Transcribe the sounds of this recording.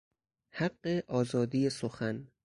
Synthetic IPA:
haɢːeʔɒːzɒːd̪ijesoxæn

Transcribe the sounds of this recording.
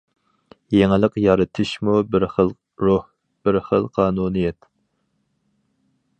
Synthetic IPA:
jeŋɪlˠəqjɑɾɨt̪ʰɨʃmubɪɾχəlˠ | ɾoh | b̥ɪɾχəlˠqʰɑːnunɨjɛt̪

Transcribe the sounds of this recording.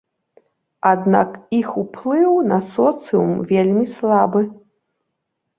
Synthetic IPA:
ad̪na̰kixuplˠɨwnɐsɔt̪sɨjumvʲelʲmʲislˠabɨ

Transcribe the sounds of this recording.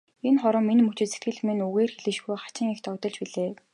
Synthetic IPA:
enχɔɾɞ̆mːenmɵt͡ɕɪ̆set̪̚ɡɘ̆ɮmĕnuɣeːrxeɮɘ̆ʃɣujχḁt͡ɕɪ̆ŋext̪ʰɔkt̪ɞ̆ɮt͡ɕpiɮeː

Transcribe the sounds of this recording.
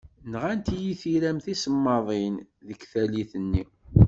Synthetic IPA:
nʁænt̪jiθiɾæmθisəmːɑðˤinðəkθæliθənːi

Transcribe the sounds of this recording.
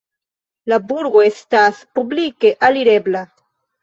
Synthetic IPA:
labuɾɡoestaspublike̞ʔaliɾe̞bla

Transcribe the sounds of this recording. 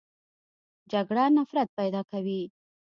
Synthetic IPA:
d͡ʒaɡɽanafɾat̪̚pajd̪ɑkawi

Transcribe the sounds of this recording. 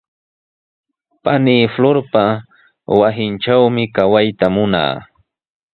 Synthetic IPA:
paniːfloɾpa | wasɪnʈ͡ʂawmɪkawajt̪amʊna̰ː

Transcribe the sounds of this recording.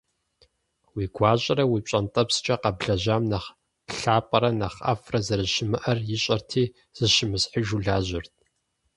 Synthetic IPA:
wiːɡʷaːɕʼɐɾɐwit͡ʃʷʼɐntʼɐpst͡ʃʼɐqɐbɮɐʑaːmnɐχ | ɬaːpʼɐɾɐnɐχɐ̰frɐzɐɾɨʃɪmɨʔɐrjɪɕʼɐrtʰiː | z̥ɨʃɪmɨsħəʒuɮaːʑɪrtʰ

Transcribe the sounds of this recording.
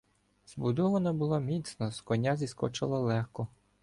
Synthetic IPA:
zbud̪ɔʋɐnɐbulˠamʲit̪snɔskɔnʲazʲiskɔt͡ʃɪlˠɐlˠɛxkɔ

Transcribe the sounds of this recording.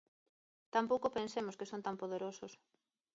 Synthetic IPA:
t̪ampowkopensemʊskesõnt̪ampoðeɾosʊs

